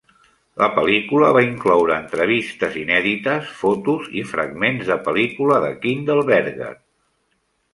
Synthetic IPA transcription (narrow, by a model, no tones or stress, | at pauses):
ləpəlikuləβaiŋklɔwɾəːnt̪ɾəβist̪əzinɛðit̪əsfot̪uzifɾəɡmenzðəpəlikuləðəkind̪əlˠβɛɾɣə̰